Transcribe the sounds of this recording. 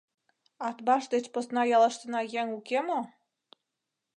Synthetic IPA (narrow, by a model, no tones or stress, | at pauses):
ɑt̪bɑʃd̪et͡ɕposnɑjɑlə̆ʃt̪ənɑjeŋukemo